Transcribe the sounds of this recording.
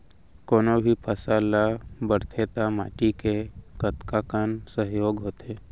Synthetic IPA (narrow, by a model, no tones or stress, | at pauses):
koːnobʱipʰəsaːlabəɾt̪ʰet̪ama̰ːʈikekət̪kakansəɦjoːɡɦoːt̪eː